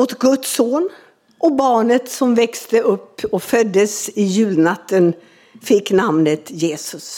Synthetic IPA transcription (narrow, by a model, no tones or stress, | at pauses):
ot̪ɡɵt̪soːn | ʔɔbɑːɳət̪sɔmvɛkst̪əʔɵpːɔkfœd̪ːəsɪjʉ̟ːlnat̪ːən | fɪkːnamnət̪jeːsɵs